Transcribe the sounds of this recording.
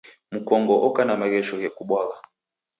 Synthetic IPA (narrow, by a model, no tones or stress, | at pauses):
m̩kɔŋɡɔʔɔkanamaɣɛʃɔɣɛkuɓwaɣa